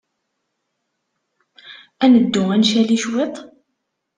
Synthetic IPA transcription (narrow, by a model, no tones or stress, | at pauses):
ænəd̪ːʊænʃæliʃwet̪ˤ